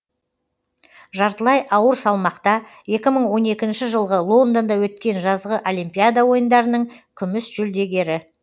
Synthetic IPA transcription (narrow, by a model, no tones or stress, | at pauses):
ʒɑɾt̪əlˠɑjʔɑwəɾsɑlˠmɑqt̪ɑje̞kʲɪməɴwo̞ne̞kʲɪnʃɪʒəlˠʁəlˠo̞nd̪ond̪ɑwɵt̪kʲe̞nʒɑzʁəʔo̞lˠimpʲijad̪awo̞jənd̪ɑɾənəɴkʲʰʏmɪsʒ̥ʏld̪e̞ɡʲe̞ɾɪ